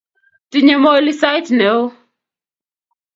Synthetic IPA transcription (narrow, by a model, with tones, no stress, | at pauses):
ti˨ɲɛ˨mɔ˦jli˦sa˦jtnɛ˨o˦